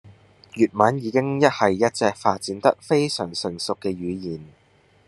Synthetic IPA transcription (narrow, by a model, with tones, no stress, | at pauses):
jyː˨t̚mɐ˨˥njiː˨˧kɪ˥ŋjɐ˥t̚hɐ˨jːɐ˥t̚t͡sɛː˨˧k̚faː˧t̚t͡siː˨˥nt̪ɐ̰˥k̚fe˥jsœ̰ː˨˩ŋsɵ˨˩ŋsʊ˨kːɛː˧jyː˨˧jiː˨˩n